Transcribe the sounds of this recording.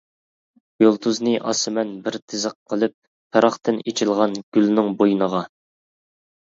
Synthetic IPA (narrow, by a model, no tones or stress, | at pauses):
jolˠt̪ʰuznɨʔɑ̰sɨmɛnbɪɾt̪ʰɪzəqqʰːəlˠɨp̚ | pʰɛɾɑχt̪ɨnet͡ʃʰilˠʁɑnɡ̥ʲylnɪŋbojnəʁɑ